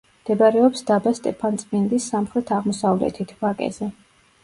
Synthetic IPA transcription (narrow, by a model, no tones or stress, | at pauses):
md̪̥ɛbaɾɛɔpsd̪̥abast̪ʼɛpʰant̪sʼmind̪isːamχɾɛt̪ʰaʁmɔsavlɛ̰t̪ʰit̪ʰvakʼɛ̰zɛ